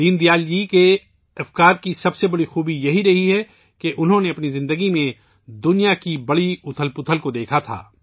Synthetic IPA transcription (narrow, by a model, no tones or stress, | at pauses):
d̪iːnd̪ijaːljike | ɐfkaːɾkisɐbsebɐɽixuːbijɐɦiɾɐɦiɦɛ | keʔʊnɦõneɐpnizɪ̃nd̪əɡimẽ | d̪ʊnijakibɐɽiʊt̪ʰəlpʊt̪ʰəlkod̪eːkʰat̪ʰa̰ː